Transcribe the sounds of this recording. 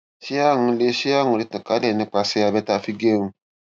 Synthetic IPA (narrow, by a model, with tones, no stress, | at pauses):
ʃi˦a˦ŋũ˧˦le˦ʃi˦a˦˨ŋũ˨li˦tĩ˨ka˨˦lɛ˨nĩ˧k͡pa˨˦sɛ˦ja˧bɛ˦ta˦fi˦ɡe˦mu˦